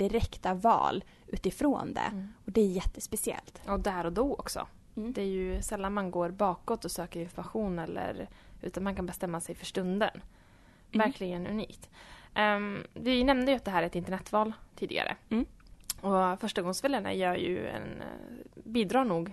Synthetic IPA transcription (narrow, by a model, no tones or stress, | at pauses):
d̪̥ɪɾɛkt̪avɑ̰ːl | ʔʉ̟ːt̪ɪfɾo̰ːnd̪ɛ̰ɔd̪ɛæjɛt̪ːə̥spɛsɪɛ̰lt̪ɔd̪æːɾɔd̪ɔɔ̰ksɔ̰ | d̪ɛæɾjɵsɛlːanmanɡoːɾbɑːkɔt̪ːɔsøːkəɾɪnfɔɾmaɧuːnɛlːə̰ɾʉ̟ːt̪anmankʰanbɛst̪ɛmːasɛjfœʂʈɵnd̪ə̰n | væɾkʰlɪɡənɵ̰nḭːkt̪ | vɪnɛmnəjʏat̪̚d̪ɛɦæːɾæɾɛt̪ɪnt̪əɳɛt̪ːvɑːlt̪ʰiːd̪ɪ̰ɡa̰ɾə̰ | ɔfœʂʈaɡɔŋsfɛlːəɳa̰jœːɾjɵ̰ɛ̰n | biːd̪ɾɑːɳuːɡ